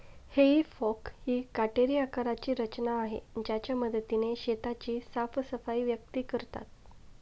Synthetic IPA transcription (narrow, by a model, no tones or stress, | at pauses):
heɦiːfɔkhiːkaʈeɾiakaɾat͡ɕiːɾət͡ɕnaːɦḛd͡ʑjat͡ɕjaməd̪ət̪ineɕet̪at͡ɕiːsafsəfaiʋjək̚t̪iːkəɾt̪a̰t̪̚